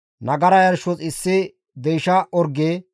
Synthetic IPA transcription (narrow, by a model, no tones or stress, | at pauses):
nɐɡɐɾɐjɐɾʃɔt͡sʼɪsːɪ | d̪ɛjʃɐʔɔɾɡeː